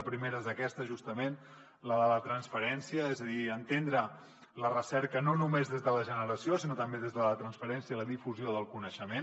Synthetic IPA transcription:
əpɾimeɾəzðəkɛst̪əʒust̪əmen | ləðələt̪ɾənsfəɾɛnsiəɛzəðiənt̪end̪ɾə | lərəsɛɾkənonumezðezðələʒənəɾəsiosinot̪əmbeðezðələt̪ɾənsfəɾɛnsiəiləðifuzjoðəlˠkunəʃəmen

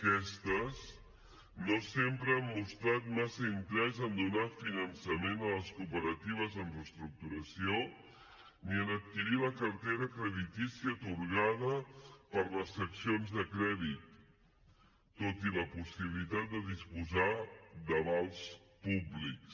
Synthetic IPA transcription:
əkɛst̪əz | nosempɾəəmːust̪ɾat̪̚masəiŋk̪ɾɛzənd̪unafinənsəmenələskupəɾət̪iβ̞əzəmrəst̪ɾuk̚t̪uɾəsio | niənət̪̚kiɾiləkəɾt̪eɾəkɾəðit̪isiət̪uɾɣað̞əpəɾləsːəksionzðəkɾɛðit̪ | ot̪iləpusiβilit̪at̪̚d̪əðispuzad̪əβalˠspubliks

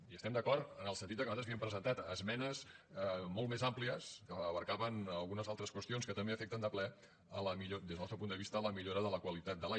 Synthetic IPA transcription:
iəst̪ɛmd̪əkɔɾt̪ənəlˠsənt̪it̪d̪əkəuat̪ɾzβiəmpɾəzənt̪at̪əzmɛnəzmolˠtmezampliəskəːβəɾkaβənəlˠɣunəzalˠt̪ɾəskwəst̪ionskət̪əmbeəfɛk̚t̪ənd̪əplɛ | ələmiʎod̪ezðnɔst̪ɾəpunəβist̪ələmiʎoɾəðələkwəlit̪at̪̚d̪əla

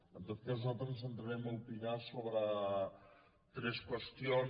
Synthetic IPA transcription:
ənd̪əfpezalt̪ɾənzənt̪ɾəɾɛməupiɲasoβɾə | t̪ɾɛskwəst̪io

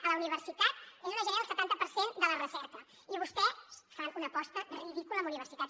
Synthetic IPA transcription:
ələuniβəɾsit̪at̪̚ezunəʒənalˠsət̪ant̪əpəɾsend̪ələrəsɛt̪ə | iβust̪ɛsfanunəpɔst̪əðəβiðikuləmuniβəɾsit̪at̪

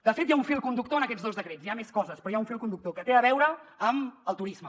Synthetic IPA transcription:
d̪̥əfet̪jauɱfilˠkund̪ukt̪oənəkɛd͡zðozðəkɾezijameskɔzəspɾɔjaunɱfilˠkund̪uk̚t̪okət̪eəβɛwɾəəməlˠt̪uɾizmə

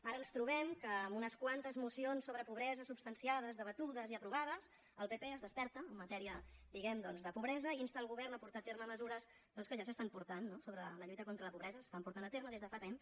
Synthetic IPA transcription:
aɾənst̪ɾuβɛmkəːmunəskwant̪əzmusionsːoβɾəpuβɾɛzəsupst̪ənsiað̞əzðəβət̪uðəziəpɾuβaðəs | əlˠpepeezðəspɛɾt̪əːmːət̪ɛɾiəd̪iɣɛmd̪ɔnzðəpuβɾɛzəiinst̪alˠɣuβɛrnəpuɾt̪at̪erməməzuɾəz | d̪ɔnskəʒasəst̪ampuɾt̪anːosoβɾələʎujt̪əkont̪ɾələpuβɾɛzəsə̥st̪ampuɾt̪anət̪eɾməðezðəfat̪em

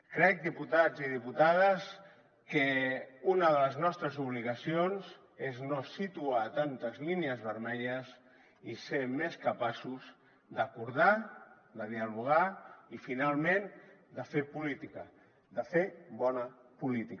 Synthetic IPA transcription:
kɾɛk̚d̪iput̪aziðiput̪að̞əs | kəunəðələznɔst̪ɾəzuβ̞liɣəsionz | eznosit̪uat̪ant̪əzlineəzβəɾmɛʎəz | isemeskəpasuz | d̪əkuɾða | d̪əðiəluɣ̞aifinalˠmen | d̪əfepulit̪ikə | d̪əfebɔnəpulit̪ik

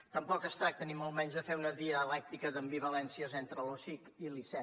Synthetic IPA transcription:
t̪əmpɔkəst̪ɾak̚t̪əniməlˠmɛɲzðəfeunəðiəːlɛk̚t̪ikəðəmbiβ̞əlɛnsiəzent̪ɾəlosikilisɛ

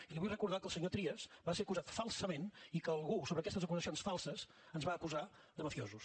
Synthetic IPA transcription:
iliβujrəkuɾðakəlˠsəɲot̪ɾiəzbaseɾəkuzat̪falˠsəmenikəːlˠɣusoβɾəːkɛst̪əzəkuzəsionsfalˠsəz | ənzβaːkuza | d̪əməfiozus

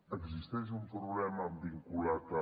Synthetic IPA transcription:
əkziʃt̪ɛʒ̬umpɾuβlɛmɐbiŋkulat̪a

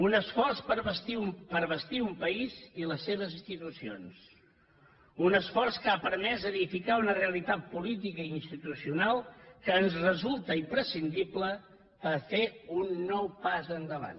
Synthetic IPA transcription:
unəsfɔrspəɾβəst̪iumpəɾβəst̪iumpəiziləsːeβ̞əzinst̪it̪usio̰ns | unəsfɔrskəapəɾmɛzəðifikaunəreəlit̪at̪̚pulit̪̬ikəinst̪it̪usiunalˠkəːnzrəzulˠt̪əimpɾəsind̪iplə | pəfeunːɔwpazənd̪əβa̰n

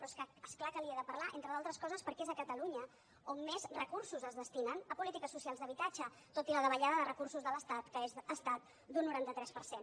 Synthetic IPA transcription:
pɾɔeskəesklakəliəðəpəɾlaʔent̪ɾəðalˠt̪ɾəskɔzəspəɾkɛezəkət̪əluɲə | omːezrəkursuzəzðəst̪inənəpulit̪ikəsːusialˠzðəβit̪ad͡ʒə | t̪ot̪iləðəβəʎaðəðərəkursuzðələst̪at̪kəezəst̪at̪̚ | d̪unːuɾant̪ət̪ɾɛspəɾsen

